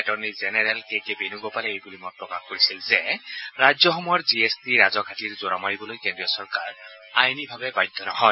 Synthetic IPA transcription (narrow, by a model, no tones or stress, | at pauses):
ɛtɔɹnizenɛɹɛlkekebenuɡɔpalɛejbulimɔt̚pɹɔkaxkoɹisilzɛɹad͡ʒjɔxɔmɔjɔɹziestiɹazɔkʰatiɹzoɹa̰maɹibɔlojkendɹijɔsɔɹkaɹ | ajnibʱabɛbajd̪ʱɔnɔhɔj